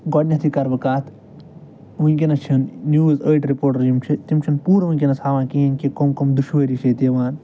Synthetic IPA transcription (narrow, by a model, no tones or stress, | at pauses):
ɡɔɖnʲɐt̪ʰikɐɾbɐkaːt̪ʰ | ʋɐŋkʲinɐt͡ʃʰinːjuːzəːʈɾipoːɾʈɐɾjimt͡ʃʰit̪imt͡ʃʰinpuːɾɐʋuŋʲkʲinɐshaːʋãːkiːinkikomkomd̪uʃʋəːɾit͡ʃʰet̪iːʋaːn